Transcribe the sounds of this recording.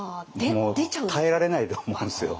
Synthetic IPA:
moːd̪et̪ʰaeɾaɾe̞nait̪oːmoɯ̃nsɨjo̰

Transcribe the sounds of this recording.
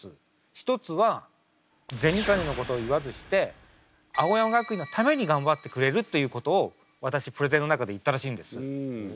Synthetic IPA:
ɨ | çi̥t̪o̞t͡sɨβa | zẽ̞ɲ̟ikaɲʲino̞ko̞t̪o̞ːiβazɨɕi̥t̪e̞ | ao̞jamaɡakɯ̟ino̞t̪ʰame̞ɲ̟iɡãmbat̪ːe̞kɯ̟ɾe̞ɾɯ̟t̪ːe̞jɯːko̞t̪o̞ː | βat̪aɕipɯ̟ɾe̞zenːo̞nakad̪e̞it̪ːaɾaɕiːnd̪e̞sɨ

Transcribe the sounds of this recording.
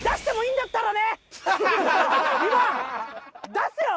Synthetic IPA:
d̪aɕi̥t̪e̞mo̞ĩːnd̪at̪ːaɾane | ima | d̪asɨjo

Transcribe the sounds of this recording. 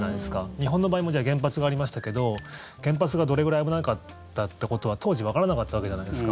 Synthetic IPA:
naid̪e̞sɨ̥kaɲ̟iɦõ̞nːobaːimod͡ʑaːɡẽ̞mp̬at͡sɨɡaːɾʲimaɕi̥t̪ake̞d̪o̞ | ɡ̥ẽ̞mp̬at͡sɨɡad̪o̞ɾe̞ɡɯ̟ɾaiɡɯnaɯkat̪ː | at̪ːe̞ko̞t̪o̞β̞at̪ʰo̞ːʑiβakaɾanakat̪ːaβake̞d͡ʑanaid̪e̞sɨ̥ka

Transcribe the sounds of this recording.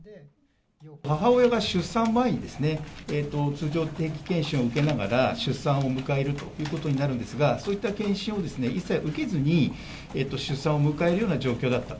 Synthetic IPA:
haɦao̞jaɡaɕɨsãmbaeɲ̟id̪e̞sɨne̞eːt̪ːo̞t͡sɨːʑo̞ːt̪e̞ːkʲi̥kẽ̞ɕĩɰ̃oɯ̟ke̞naɡa̰ɾaɕɨsãɰ̃o̞mɯ̟kae̞ɾɯ̟t̪o̞jɯ̟ːko̞t̪o̞ɲ̟inaɾɯ̟nd̪e̞sɨɡasoːit̪ːakẽ̞ɰ̃ɕĩɰ̃o̞d̪e̞sɨne̞ʔisːaiʔɯ̟ke̞zɨɲ̟i | eːt̪ːo̞ɕɨsːãɰ̃o̞mɯ̟kae̞ɾɯ̟jo̞ːnaʑo̞ːkʲoːd̪at̪ːa

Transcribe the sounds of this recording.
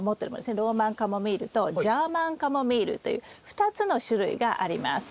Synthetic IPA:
mot̪ːeɾɯmod̪esneɾo̞ːmãŋkamo̞mʲiɾɯ̟t̪o̞d͡ʑaːmãŋkamo̞mʲiːɾɯ̟̰t̪ːo̞jɯ̰ːɸɯ̥t̪at͡sɨno̞ɕɨɾɯ̟ḭɡaʔaɾʲima̰sɨ̥

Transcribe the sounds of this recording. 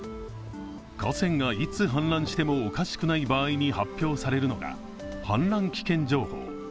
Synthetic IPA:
kasẽ̞ŋɡait͡sɨɦãñɾãɰ̃ɕi̥t̪e̞mo̞ːkaɕi̥kɯ̟naibaːiɲ̟ihapʲjo̞ːsaɾe̞ɾɯ̟no̞ɡa̰ | hã̰nɾãŋkʲi̥kẽ̞ɲ̟d͡ʑo̞ːho̞̰ː

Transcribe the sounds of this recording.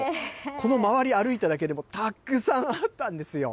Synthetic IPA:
ko̞no̞maβaɾʲiaɾɯ̟it̪ad̪ak̬e̞d̪e̞mo̞t̪akːɯ̟sãɰ̃at̪ːãnd̪e̞sɨjo̞̰

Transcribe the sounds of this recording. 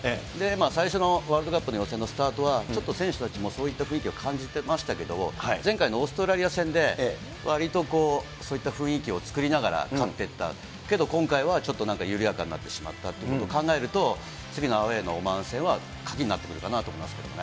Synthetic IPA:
d̪e̞maːsaiɕo̞no̞βaːɾɯd̪o̞kapːɯ̟no̞jo̞sẽ̞nːo̞sɨ̥t̪aːt̪o̞βat͡ɕo̞t̪ːo̞sẽɰ̃ɕɨ̥t̪at͡ɕimo̞so̞ːit̪ːaɸɯ̟̃ikʲio̞kʰãɲ̟d͡ʑit̪e̞maɕi̥t̪ake̞d̪o̞mo̞̰haizẽ̞ŋkaino̞ːsɨ̥t̪oɾaɾʲijasẽ̞nd̪e̞ | βʔaɾʲit̪o̞ko̞ː | so̞ːit̪ːaɸɯ̟̃ɰ̃ikʲio̞t͡sɨ̥kɯ̟ɾʲinaɡaɾa̰kat̪ːe̞t̪ːa̰ | ke̞d̪o̞kõ̞ŋkaiβat͡ɕo̞t̪ːonãŋkajɯ̟ɾʲijakãnːa̰t̪ːe̞ɕima̰t̪ːat̪ːeɯkot̪okãŋɡae̞ɾɯ̟t̪o̞ | t͡sɨɡʲino̞aoe̞no̞̰ːmãɰ̃sẽ̞ɰ̃a | kʰḁkʲiɲ̟inat̪ːe̞kɯ̟ɾɯ̟kanat̪omoimasɨ̥ke̞d̪omone

